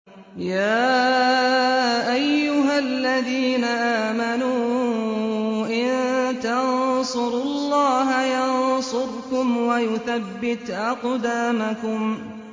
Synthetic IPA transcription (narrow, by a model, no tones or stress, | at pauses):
jaː | ʔajːʊɦalːaðiːnaʔaːmanuː | ʔɪnt̪ansʊɾʊlˤːɑːɦajɑnsʊɾkʊmwajʊθabːɪt̪ʔɑqd̪aːmakʊm